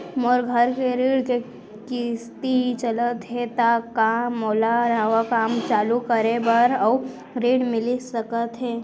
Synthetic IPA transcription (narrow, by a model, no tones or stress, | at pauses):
mɔɾɡʱəɾkeɾeːɽke | kɪst̪iɦit͡ʃələt̪ɦet̪akaːɔːlaɾəʋakaːmt͡ʃaːlukəɾebəɾɔ | ɾeːɽmɪlisəkət̪ɦɛː